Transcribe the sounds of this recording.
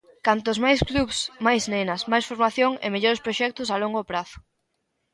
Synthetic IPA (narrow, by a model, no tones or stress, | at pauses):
kant̪ʊzmajskluβsmajznenɐsmajsfoɾmaθjoŋḛmeʎoɾespɾoʃɛk̚t̪ʊsaloŋɡopɾaθʊ̥